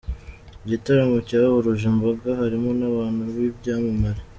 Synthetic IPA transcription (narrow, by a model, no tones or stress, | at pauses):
iɟitaɾamocaːhuɾuʒembaɡahaɾimonaβaːnuβibɟaːmumaɾi